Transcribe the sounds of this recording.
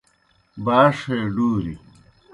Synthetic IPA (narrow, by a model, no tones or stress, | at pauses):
baːʂeːɖuːɾḭ